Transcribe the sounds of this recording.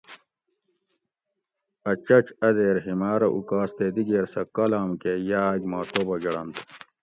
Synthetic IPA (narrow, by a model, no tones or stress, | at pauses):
ɐt͡ɕɐt͡ɕɐd̪eːɾɦimaːɾɐʔṵkaːst̪ed̪iɡeːɾsɐkɐlaːmkejaːɡmaːt̪obɐɡɐɽɐnt̪